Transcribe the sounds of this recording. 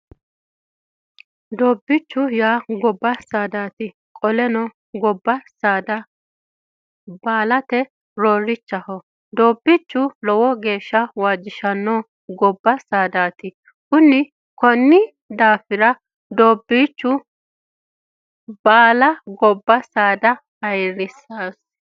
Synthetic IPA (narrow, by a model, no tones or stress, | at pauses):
d̪oːbːɪt͡ʃːʊjaːɡɔbːɐsaːd̪aːt̪ɪ | kʼɔlɛnɔ | ɡɔbːɐsaːd̪ɐ | baːlɐt̪ɛ | ɾoːɾːɪt͡ʃːɐhɔ | d̪oːbːit͡ʃːʊlɔwɔɡe̞ːʃːɐwaːd͡ʒːɪʃɐnːɔ | ɡɔbːɐsaːd̪aːt̪ɪ | kʊnːɪ | kɔnːɪ | d̪aːfɪɾɐ | d̪oːbːiːt͡ʃːʊ | baːlɐɡɔbːɐsaːd̪ɐhɐjɾɪsaːs